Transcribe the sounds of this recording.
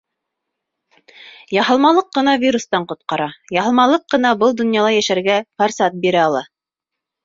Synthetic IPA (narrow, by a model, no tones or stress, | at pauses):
jɑɦɤ̆lˠmɑlˠɤqːɤ̆nɑvʲiɾust̪ɑɴqŏt̪̚qɑɾɑjɑɦɤ̆lˠmɑlˠɤqːɤ̆nɑbɤlˠd̪ŏnjɑlˠɑjæʃæɾɡæfɐrsɑt̪̚biɾæɑlˠɑ